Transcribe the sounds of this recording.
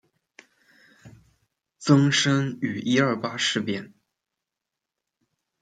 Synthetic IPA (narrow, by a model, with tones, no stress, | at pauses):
t͡sɤ˥ŋʂɤ˥ŋy˨˩ʔi˥ə˞˥˩pa˥ʂɻ̩˥˩pjɛ˥˩n